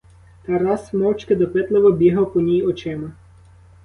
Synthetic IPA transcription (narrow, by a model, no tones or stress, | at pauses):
t̪ɑɾɑsmɔwt͡ʃkɪd̪ɔpɪt̪lˠeʋɔbʲiɦɐwpɔnʲijɔt͡ʃɛmɐ